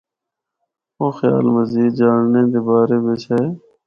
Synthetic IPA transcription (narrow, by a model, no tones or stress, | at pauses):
õːxja̰ːlməziːd͡ʒaːɽnẽːd̪eːbaːɾeːbeːt͡ʃʰe